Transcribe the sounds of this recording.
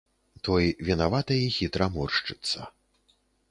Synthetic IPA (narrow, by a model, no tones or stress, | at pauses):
t̪ɔjvʲinavat̪ɐjixʲit̪ɾɐmɔrʂt͡ʂɨt̪sːɐ